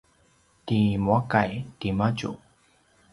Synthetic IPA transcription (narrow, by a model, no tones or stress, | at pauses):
t̪imwakajtimat͡ʃṵ